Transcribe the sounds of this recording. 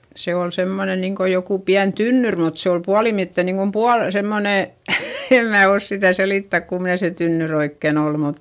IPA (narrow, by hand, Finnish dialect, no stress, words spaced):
se ol semːone niŋko jokuˑ piæn tynːyr mut se ol puɑlimitːe niŋkom puɑl semːone em mæː os sitæˑ seliˑtːæk kumne se tynːyr oikːen ol mut